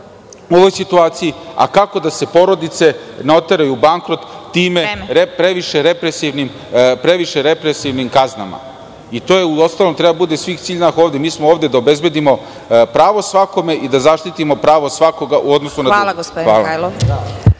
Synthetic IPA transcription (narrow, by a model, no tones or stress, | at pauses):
o̞ʋojsit̪uaːt̪sijia̰kako̞d̪ase̞po̞ɾo̞d̪it̪se̞neo̞t̪eɾajubaŋkɾo̞t̪ːiːmeepɾeʋiʃeɾepɾesiʋnim | pɾeʋiʃe̞ɾe̞pɾesiʋnimkazna̰ma̰ | it̪ojeuo̞st̪aːlˠo̞mt̪ɾebad̪abud̪e̞sʋiːxt̪siːʎnaxo̞ːʋd̪emiːsmooːʋd̪e̞d̪ao̞be̞zbe̞d̪imo̞ | pɾaːʋo̞sʋako̞me̞ʔid̪azaʃt̪it̪imo̞pɾaːʋo̞sʋako̞ɡaʔuod̪nosunaalaɡopoaːla̰lo